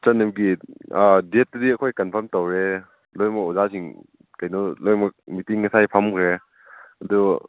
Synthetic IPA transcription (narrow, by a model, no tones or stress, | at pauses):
t͡ʃɐnːɐmɡi | det̚ːudiɐkʰojkɐnpʰɐɾmtowɾe | lojmɐɔzasʰiŋ | kɐjnɔlojmɐk̚mitiŋːɐsajpʰɐmkʰɾe | ɐdu